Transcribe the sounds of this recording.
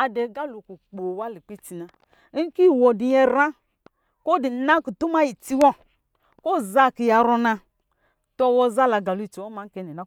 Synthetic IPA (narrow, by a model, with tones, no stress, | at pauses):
a˧dɛ˨˦ɡa˦lu˨ku˨k͡po˨wa˦li˨k͡pi˦ti˧na˨˦ | ki˦˨wɔ˨di˨ɲɛ˧ɾã˦ | ko˦di˨˦na˦ku˨tu˦ma˦ji˨ti˧wɔ˦ | ko˦˨za˦˨ki˨ja˨ɾɔ˧na˧ | tɔ˧wɔ˧za˦la˨ɡa˨lu˦i˨t͡ʃi˨wɔ˦ma˨˦kɛ˨˦nɛ˨na˨˦